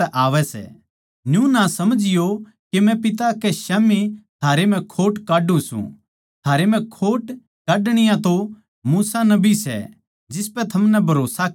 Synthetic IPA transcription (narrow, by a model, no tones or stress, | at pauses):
ɛʔaːʋɛsɛ̰ | njũnasɐməd͡ʒɪjo | kemɛ̃pɪt̪̬akeʃaːmit̪ʰaːɾem̤ɛ̃kʰoːʈkaːɖũsṵ̃ | t̪ʰaːɾem̤ɛ̃kʰoːʈ | kaːɖɽ̃ɪjãt̪o | muːsanɐbisɛ̰ | d͡ʒɪspɛt̪ʰɐmnɛbʱɐɾoːsa